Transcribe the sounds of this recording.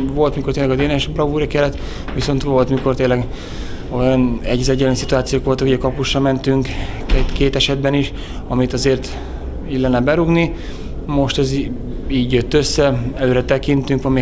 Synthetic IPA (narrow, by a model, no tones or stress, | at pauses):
vo̞lt̪mikort̪eːlːɛɡɒd̪eːnɛʃbrɒvuːɾikɛlːɛt̪ | ʋiso̞nt̪ʋo̞lt̪miko̞rt̪eːnlːɛɡ | o̞jɒnɛɟzɛɟɛlɛnisit̪uaːt̪sijoːkʋo̞lt̪ɒkuɟɛkɒpuʃrɒmɛnt̪yŋkɛt̪keːt̪ɛʃɛd̪bɛniʃ | ɒmit̪ɒzeːrt̪ | iɟlɛnːɛbɛɾuɡni | mo̞ʃt̪ɛz | iːɟjøt̪ːø̞sːɛɛløːɾɛt̪ɛkint̪yŋkʋɒmi